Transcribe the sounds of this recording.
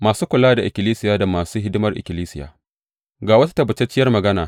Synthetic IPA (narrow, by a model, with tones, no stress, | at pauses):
maː˨suː˦kʷʊ˨laː˦da˨ʔɪ˨kʲɪ˨liː˦sɪ˦jaː˦da˨maː˨suː˦ɦɪ˦dɪ˦mɐ˨rʔɪ̰˨kʲɪ˨liː˦sɪ˦ja̰ː˨ | ɡaː˨wɐ˦tḁ˦tɐ˦bʊ˨t͡ʃɛ˦t͡ʃɪ˦jɐ˦rmɐ˨ɡɐ˦naː˨